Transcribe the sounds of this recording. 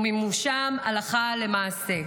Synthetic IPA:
mimuʃamalaχalemaːse

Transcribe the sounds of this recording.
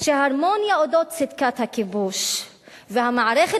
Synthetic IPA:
ʃeaɾmonjaod̪ot̪sid̪kat̪hakibuʃ | vehamaʕaɾeχe

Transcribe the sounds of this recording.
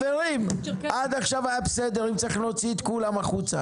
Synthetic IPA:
veʁimʔad̪aχʃavajabesed̪e̞ʁimt͡saʁiχlo̞t͡siet̪kulamaχut͡sa

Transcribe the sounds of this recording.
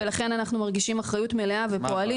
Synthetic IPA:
elaχe̞nanaχnumaʁɡiʃimaχʁajutme̞leave̞po̞ali

